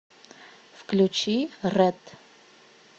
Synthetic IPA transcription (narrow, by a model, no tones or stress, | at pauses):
fklʲut͡ɕirɛt̪